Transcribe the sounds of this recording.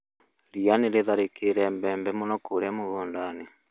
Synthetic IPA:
ɾianeɾeðaɾekeɾɛmbɛmbɛmonɔkoɾɛmoɣoːndane

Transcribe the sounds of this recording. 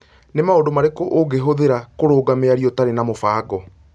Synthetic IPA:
nemaodomaɾekoʔoɡeɦoðeɾakoɾoːɡameaɾiɔtaɾenamofaːɡɔ

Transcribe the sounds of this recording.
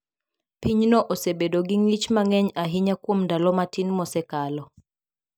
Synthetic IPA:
piɲnɔʔosebedoɡiŋit͡ʃmaŋɛɲaɦiɲakwomndalɔmatinmɔsɛkalɔ

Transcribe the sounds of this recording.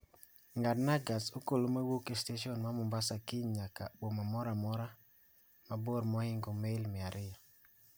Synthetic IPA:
ŋɡadnaɡasokolomawokesteʃɔnmamʊmbasakɪɲɲakabomamɔɾamɔɾa | maboɾmɔhɪŋɡɔmelmɪaɾʔɪja

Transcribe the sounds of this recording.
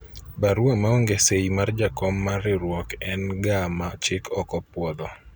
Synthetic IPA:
baɾwamaoŋɡeseimard͡ʒakɔmːaɾɪɾwɔkɛnɡamat͡ʃɪkʰɔkɔpwɔd̪ɔ

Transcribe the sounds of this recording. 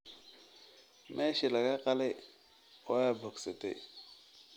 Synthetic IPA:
mʔeʃilakaqale | ojabaksatḛ

